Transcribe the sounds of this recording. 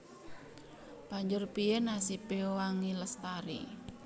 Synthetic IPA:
b̥a̤ɲd͡ʒʊrpiɛnasipeowaŋiləst̪aɾḭ

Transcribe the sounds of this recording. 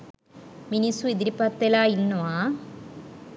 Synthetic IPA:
minisuid̪ɪɾipːɐt̪ːelaːinːuaː

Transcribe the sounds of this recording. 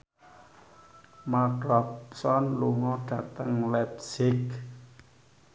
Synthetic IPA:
matɾɔpsɔnluŋɔɖ̥ä̤t̪əŋlɛpsɪk

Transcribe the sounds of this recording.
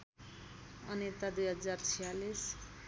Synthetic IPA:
ʌ̰net̪ad̪ujɦʌd͡zart͡sʰijalis

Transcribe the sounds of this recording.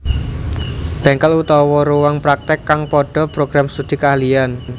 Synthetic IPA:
b̥ɛŋkəlut̪ɔwɔɾuwaŋpɾak̚t̪ɪkːaŋpɔɖ̥ɔ̤pɾoɡ̥ɾamsud̪̥i̤kalian

